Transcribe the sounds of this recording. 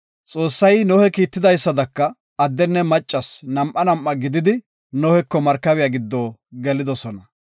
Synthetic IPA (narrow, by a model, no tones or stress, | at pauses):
t͡sʼo̞ːsːɐjnɔhɛkiːt̪ːɪd̪ɐjsːɐd̪ɐkːɐ | ɐd̪ːɛnːɛmɐt͡ʃʼːɐsnɐmʔɐnɐmʔːɐɡɪd̪ɪd̪ɪ | nɔhɛkːɔmɐɾkːɐβɪjɐɡɪd̪ːoːɡɛlɪd̪ɔsɔnɐ